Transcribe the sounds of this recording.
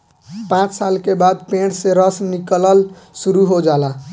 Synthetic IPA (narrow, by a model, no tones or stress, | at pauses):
pãt͡ʃsalkebad̪̚pẽɽseɾəsnikləl | suɾuɦod͡ʒaːla